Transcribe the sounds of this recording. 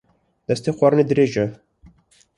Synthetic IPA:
d̪̥ɛst̪eːxʷɑɾɨneːd̪ɨɾeːʒɛ

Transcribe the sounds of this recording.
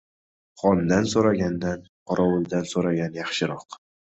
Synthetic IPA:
χɒnd̪ansoɾaɡʲand̪an | qʰɒɾʔɒwʊlˠd̪ansoɾaɡʲanjɑχʃɪɾɒq

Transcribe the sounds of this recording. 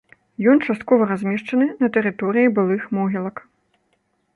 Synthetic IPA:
jɔnt͡ʂast̪̚kɔvɐɾazʲmʲɛʂt͡ʂɐnɨnɐt̪ɛɾɨt̪ɔɾɨjibɨlˠɨxmɔɣʲilˠɐk

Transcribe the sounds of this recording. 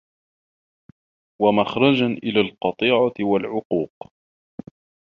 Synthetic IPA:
wamaxɾˤɑd͡ʒanʔɪlaːlqɑt̪ˤiːʕawalʕʊquːq

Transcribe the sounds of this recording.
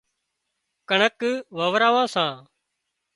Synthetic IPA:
kəɳəkʋəːʋɾaːʋãːsãː

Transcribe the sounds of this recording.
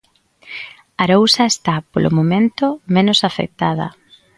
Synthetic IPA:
aɾowsɐest̪apolʔʊ̰momẽnt̪ʊmenʊsafḛk̚t̪aðɐ̰

